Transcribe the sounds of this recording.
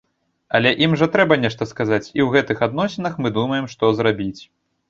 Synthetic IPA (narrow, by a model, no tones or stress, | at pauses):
ɐlʲɛʔimʐɐt̪ɾɛbɐnʲɛʂt̪ɐskazat͡sʲiwɣɛt̪ɨxad̪nɔsʲinɐxmɨd̪umɐjɛmʂt̪ɔzɾabʲit͡sʲ